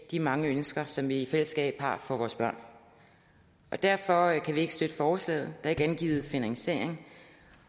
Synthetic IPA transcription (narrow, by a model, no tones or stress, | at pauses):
d̥imɑ̈ŋəønsɡ̥ɐsɒ̽mʋiːfel̰əsɡ̥ɛ̰ːb̥hɑ̈fɒ̽ʋɒːsb̥ɶɐ̰n | ʔɒ̽d̥æɐfɒ̽kʰæʋie̝ɡ̥əsd̥ød̥əfɒːsɛ̰ːð̩ˠd̥ɑ̈e̝ɡ̥əænɡ̥ḭːð̞̩ˠfinæŋse̝̰ɐ̰e̝ŋ